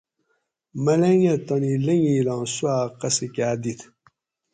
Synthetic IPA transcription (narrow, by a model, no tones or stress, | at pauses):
mɐleŋet̪onileŋilãːsuaːqɐsikaːd̪it̪ʰ